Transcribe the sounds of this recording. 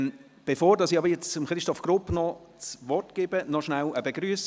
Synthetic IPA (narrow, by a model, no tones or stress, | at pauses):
b̥efoːɾdɑsiɑbəɾjɛt͡səmχɾɪʃtɔfɡ̥ɾʊpnɔ | t͡sʋɔtɡ̥eːbənɔʃnæləbeɡɾyəs